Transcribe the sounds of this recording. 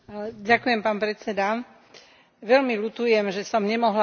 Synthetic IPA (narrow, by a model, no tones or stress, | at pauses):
ɟakujɛmpaːnpɾɛt͡sɛd̪a | ʋɛlmilut̪ujɛmʒɛsɔmɲɛmɔɦla